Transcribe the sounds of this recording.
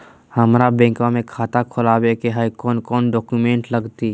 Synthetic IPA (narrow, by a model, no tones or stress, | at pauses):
həmɾabɛ̃ːŋkãmẽkʰaːt̪akʰʊlaːwekeɦaːikɔːnkɔːnɖɔːkumẽːɳʈləɡt̪i